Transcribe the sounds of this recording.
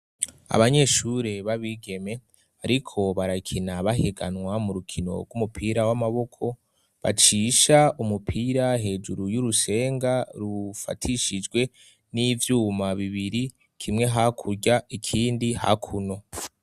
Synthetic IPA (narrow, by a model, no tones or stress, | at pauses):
a̰βaɲe̞ʃuɾe̞βaβiɡe̞me̞ | aɾikʰo̞βaɾakʰinaβaɦeɡanŋwamuɾukʰino̞̰ɡɡumupʰiːɾawamaβo̞kʰo̞ | βa̰t͡ʃiːʃaumupʰiːɾaɦe̞ːd͡ʒuɾujuɾuse̞ːŋɡaɾufa̰tʰiʃid͡ʒɡwe̞ | nivjuːmaβiβiɾi | kʰimŋe̞ɦakʰuɾɟaikʰiːndiha̰kʰuno̞